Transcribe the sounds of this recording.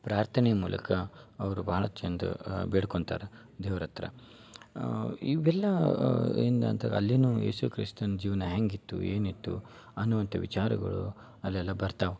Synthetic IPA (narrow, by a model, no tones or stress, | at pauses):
pɾaːɾt̪ʰɐnɛjɐmuːlʔɐ̰kɐɐʋɐɾubɐɦɐɭɐt͡ʃend̪ṵbeːɽkoɳt̪a̰ːɾe | d̪eːʋɐɾɐt̪ɾɐ̰ | iʋɛlːɐɾind̪ɐɐnt̪ʰɐɡɐ̰lːinuːjeːsukɾḭst̪ɐnɐd͡ʒiːʋɐnɐɦeŋɡit̪ːṵḛːnit̪ːṵ | ɐnːuʋɐnt̪ʰɐʋit͡ʃaːɾɐ̰ɡɐ̰ɭṵ | ɐlːɛlːɐbɐɾt̪aːʋu